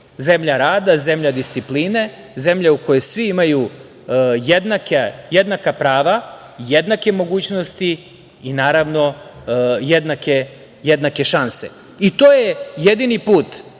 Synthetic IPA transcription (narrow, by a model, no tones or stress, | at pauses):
ze̞mʎaɾaːd̪aze̞mʎad̪ist̪sipliːne̞ | ze̞mʎeuko̞jesʋiimaju | jed̪nakajed̪nakapɾaːʋa | jed̪nake̞mo̞ɡuːt͡ɕno̞st̪i | inaːɾaʋno̞ | jed̪nake | jed̪nake̞ʃanse̞̰ | it̪oːjejed̪inipuːt̪